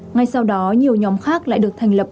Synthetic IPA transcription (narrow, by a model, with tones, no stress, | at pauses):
ŋa˨˩jsa˧wɗɔ˨˦ɲi˨˩əwɲɔ˨˦mxaː˦˥k̚la̰ː˧˨jɗɨ˨˩ək̚t̪ʰa˨˩ŋ̟lə˨˩p̚